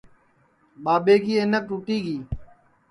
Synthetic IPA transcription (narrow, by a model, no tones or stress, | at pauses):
ɓaːɓeːɡiːeːnək̚ʈuːʈiːɡiː